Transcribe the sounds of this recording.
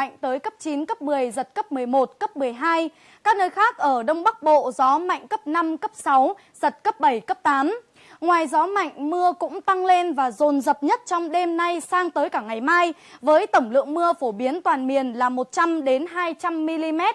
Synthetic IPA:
jŋ̟t̪əː˨˦jkə˦˥p̚t͡ɕi˨˦nkə˦˥p̚mɨ˨˩əjzə˨˩t̚kə˦˥p̚m˨˩əjmo˨˩t̚kə˦˥p̚mɨ˨˩əjɦaː˧j | kaː˦˥k̚nəː˧jxaː˦˥k̚ʔəː˧˩ɗə˧wŋ͡mɓa˦˥k̚ɓo̰˧˨zɔ˨˦ma̰˧˨jŋ̟kə˦˥p̚na˧mkə˦˥p̚sa˨˦w | z̥ə˨˩t̚kə˦˥p̚ɓə˧˩jkə˦˥p̚t̪aː˨˦m | ŋwaː˨˩jzɔ˨˦ma̰˧˨jŋ̟mɨ˧əkʊ̰˧˥ŋ͡mt̪a˧ŋle˧nvaː˨˩zo˨˩nzə˨˩p̚ɲə˦˥t̚t͡ɕɔ˧wŋ͡mɗe˧mna˧jsaː˧ŋt̪əː˨˦jkaː˧˩ŋa˨˩jmaː˧jvəː˨˦jt̪ə˧˩wŋ͡mlɨ̰˧˨əŋmɨ˧əfo˧˩ɓi˨˦ənt̪waː˨˩nmi˨˩ənlaː˨˩mo˨˩t̚t͡ɕa˧mɗe˨˦nɦaː˧jt͡ɕa˧mːi˧li˧mɛ˦˥t̚

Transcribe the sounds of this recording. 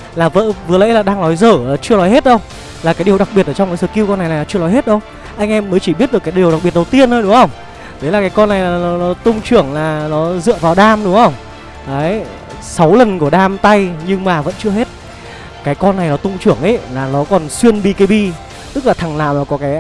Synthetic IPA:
laː˨˩və̰ː˧˥vɨ˨˩ələ̰˧˥jlaː˨˩ɗaː˧ŋlɔ˨˦jzəː˧˩˨t͡ɕɨ˧əlɔ˨˦jhe˦˥t̚ɗə˧wŋ͡m | laː˨kaː˨˦jɗi˨˩əwɗa˨˩ɓi˨˩t̚ʔəː˧˩t͡ɕɔ˧wŋ͡mkaː˨˦jzəː˨˩ki˧wkɔ˧na˨˩jna˨˩la˨˦t͡ɕɨ˧ə˧lɔ˨˦jɦhe˦˥t̚ɗə˧w | ʔa˧jŋ̟ʔɛ˧mːəː˨˦jt͡ɕi˧˩ɓi˦˥t̚ɨ˨˩kaː˨˦jɗi˨˩əɗa˨˩k̚ɓi˨˩ət̚ɗə˨˩wt̪i˧ənt̪əː˧jɗʊ˨˦ŋ͡mhə˧wŋ͡m | t̪ʰe˨˦laː˨˩kaː˨˦jkɔ˧nːa˨˩jlaː˨˩nɔ˨˦nɔ˨˦t̪ʊ˧ŋ͡mt͡ɕɨ˧˩əŋlaː˨˩nɔ˨˦zɨ̰˧˨əvaː˨˩wɗaː˧mɗʊ˨˦ŋ͡mhə˧wŋ͡m | aː˨˦˨ | sa˨˦wlə˨˩nku˧˩əɗaː˧mt̪a˧jɲɨ˧ŋmaː˨˩və̰˧˥nt͡ɕɨ˧əhe˦˥t̚ | kaː˨˦jkɔ˧nːa˨˩jnɔ˨˦t̪ʊ˧ŋ͡mt͡ɕɨ˧˩əŋʔə̰˨˦laː˨˩nɔ˨˦kɔ˨˩nswi˧ənɓi˧ka˨˦jɓi˧ | t̪ɨ˦˥k̚laː˨˩t̪ʰa˨˩ŋla̰ː˧˨˩maː˨˩kɔ˨˦kaː˨˦j

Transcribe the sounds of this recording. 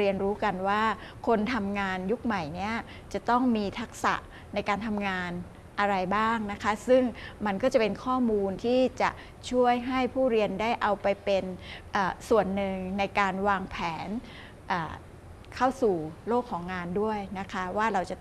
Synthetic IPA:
ɾi˧ənɾuː˦˥ka˧nwaː˥˩ | kʰo˧nt̪ʰa˧mŋaː˧nju˦˥k̚ma˨˩jni˦˥ɐ | t͡ɕa˨˩t̪ɔ˥˩ŋmiː˧t̪ʰa˦˥k̚sa̰˨˩ʔ | na˧jkaː˧nt̪ʰa˧mŋaː˧n | ʔa˧ɾa˧jbaː˥˩ŋna˦˥kʰa˦˥sɯ˥˩ŋma˧nkɔː˥˩t͡ɕa˨˩pe˧nkʰɔː˥˩muː˧nt̪ʰiː˥˩t͡ɕa̰˨˩ʔ | t͡ɕʰu˥˩əjɦa˥˩jpʰuː˥˩ɾi˧əndaː˥˩jʔa˧wpa˧jpe˧nʔaː˨˩su˨˩ənːɯ˨˧ŋna˧jkaː˧nwaː˧ŋpʰɛː˩˦n | ʔaː˨˩ | kʰa˥˩wsuː˨˩loː˥˩kʰːɔː˩˦ŋːaː˧ndu˥˩əjna˦˥kʰa˦˥waː˥˩ɾa˧wt͡ɕa˨˩

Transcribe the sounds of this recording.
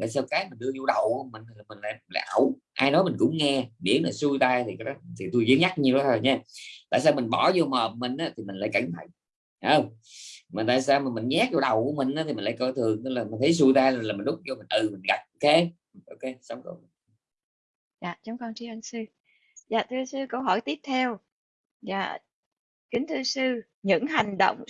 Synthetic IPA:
a̰ː˧˨s̬aː˧wkaː˨˦jmi˨˩n̟ɗɨ˧əzo˧ɗə˨˩wku˧˥əmi˨˩ŋ̟˨laː˨˩mï˨˩ŋ̟la̰ː˧jla̰ː˧˨jʔa˧˩w | ʔaː˧jnɔ˨˦jmi˨˩ŋ̟kʊ̰˧˥ŋ͡mŋɛ˧ɓḭ˧˩˥ənlaː˨˩su˧jt̪aː˧jt̪ʰi˨˩kaː˨˦jɗɔ˨˦t̪ʰi˨˩t̪u˧jzəː˨˦ɲa˦˥k̚ɲi˧ɗɔ˨˦t̪ʰo˧jɲɛ˧˦t̪a̰ː˧˨jsaː˧wmï˨˩ŋ̟ɓɔ˧˩zo˧məː˨˩p̚mï˨˩ŋ̟ʔaː˨˦˥t̪ʰi˨˩mi˨˩ŋ̟laː˧jka˧˩ŋt̪ʰa̰˧˨j | ʔəː˧˩ | maː˨˩t̪a̰ː˧˨jsaː˧wmaː˨˩mï˨˩ŋ̟ɲɛ˦˥t̚t͡ɕɔ˧ɗə˨˩wkṵ˧˩əmï˨˩ŋ̟ʔaː˧˦t̪i˨˩i̟˨˩laː˧˩˦kə˧t̪ʰɨ˨˩əŋt̪̚laː˨˩mi˨˩n̟t̪ʰə˨˦js̬u˧˩t̪aː˧laː˨˩laː˨˩m˨˩n̟ɗʊ˦˥k͡p̚t͡ɕɔ˧mi˨˩n̟ʔɨ˨˩mi˨˩ŋnɣa˨˩p̚ʔo˧wke˧˨ | ʔo˧wke˧sa˨˦wŋ͡mkə˧ | za̰ː˨t͡ɕɔ˨˦ŋ͡mkɔ˧nt͡ɕi˧˦ʔə˧nsɨ˧ | zaː˨˩t̪ʰɨ˧əsɨ˧kə˧wɦɔ˧˩jt̪i˦˥əp̚t̪ʰɛ˧w | za̰ː˨˩ | kï˨˦ŋ̟t̪ʰɨ˧əsɨ˧ | ɲɨ̰˧˥ŋɦa˨˩jŋ̟ɗə̰˧˨wŋ͡m

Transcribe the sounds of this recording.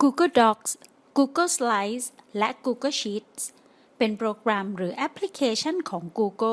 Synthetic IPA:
kuː˧kɤ˥˩dɔ˦˥k̚s | kuː˧kɤ˥˩sla˧˥jslɛ˦˥ʔkuː˧kɤ˥˩ɕiː˦˥t̪̚s | pe˧npɾoː˧kɾɛ˧mɾɯː˩˦ʔɛ˦˥pʰli˦˥kʰeː˧t͡ɕʰa˥˩nkʰɔː˩˦ŋkuː˧kɤ˥˩

